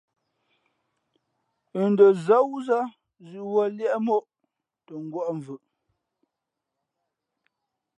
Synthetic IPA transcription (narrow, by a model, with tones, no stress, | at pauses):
ə˨n˦də˨za˦wu˦za˦ | zi˨ʔwə˦ljɛ˦ʔmo˦ʔ | tə˨ŋ˦ɡwɔ˦ʔɱ˨vʉ˨ʔ